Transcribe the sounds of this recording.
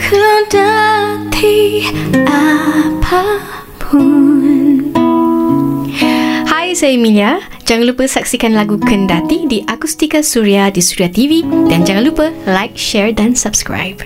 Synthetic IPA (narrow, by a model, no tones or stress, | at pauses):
kʰədat̪ʰi | ʔapʰa | pʰun | hajsajmĩnia | d͡ʒaŋanlupəsak̚sikanlaɡukʰəndat̪idiʔakust̪ikasuɾiadisuɾiat̪ividand͡ʒaŋãnlupəlajk̚ʃɛɹdansapskɹa̰jp̚